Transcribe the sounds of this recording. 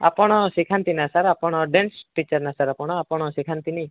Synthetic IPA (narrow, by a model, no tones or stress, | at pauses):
a̰pɔɽ̃ɔsikʰant̪inasaɾapɔɽ̃ɔɖensʈit͡ʃɔɾnasaɾapɔɽ̃ɔapɔɽ̃ɔsikʰant̪ini